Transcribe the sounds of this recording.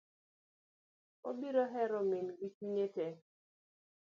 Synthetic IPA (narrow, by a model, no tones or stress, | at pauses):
o̰biɾoɦɛɾɔmɪnɡit͡ʃiɲete